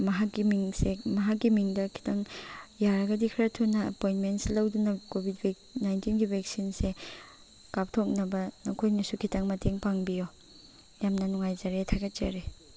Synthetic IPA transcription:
mɐɦakːimiŋsemɐɦakːimiŋdɐkʰi̥tʰaŋjaɾɐɡɐdikʰɾɐtʰunɐɐpojnmentselɐwdunɐkobʱit̚be | najntinɡibʱek̚sinse | kap̚tʰok̚nɐbɐnɐkʰojnɐsukʰitɐŋmɐteŋpaŋbijo | jamnɐnuŋajzɐɾetʰaɡɐt̚zɐ̰ɾe

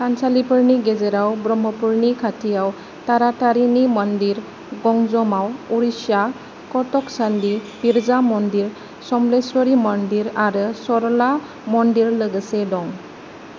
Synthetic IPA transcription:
kʰansalipəɾniɡed͡ʒəɾawbɾɔmɔpuɾnikʰatʰijaw | t̪aɾataɾinimɔndiɾ | ɡɔŋzɔmawuɾisja | kɔtɔksandipiɾzamɔnd̪iɾ | sɔmleswɔɾimɔndiɾaɾɯsɔɾɔla | mɔndiɾləɡəsedɔŋ

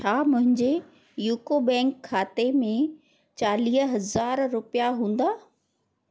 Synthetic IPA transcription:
t͡ɕʰaːmʊ̃ɦɪ̃ɲd͡ʑe | juːkobɛ̃ːŋkʰːaːt̪emẽ | t͡ɕaːliːɦɦɐzaːɾːʊpijaɦũːn̆d̪aː

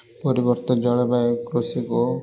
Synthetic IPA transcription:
pɔɾibɔɾt̪ɔd͡ʒɔɭebakɾosiko

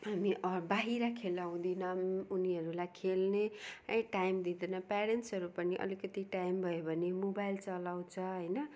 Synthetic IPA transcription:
ɦamiʔʌbaɦiɾakʰelaw̃d̪inʌmuniɦʌɾulajkʰelneʌʈajmd̪id̪enʌpaɾensɦʌɾupʌniʔʌ̰likʌt̪iʈajmbʱʌjobʱʌnemobajlt͡sʌlaw̃t͡sʰʌ̃ɦʌjnʌ

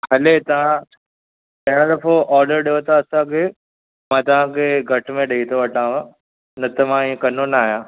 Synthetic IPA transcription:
hɐlet̪ɐʋ̤ã | tɐɦɪɽ̃d̪ɐfoʔɔːɾɖəɾɗijot̪aːsãkʰe | mãːt̪ɐʋ̤ãkʰeːɡʱɐʈmẽɗɐit̪ʰoʋɐʈʰãːʋã | nɐt̪ɐmãiːẽkɐnonaaːɦjãː

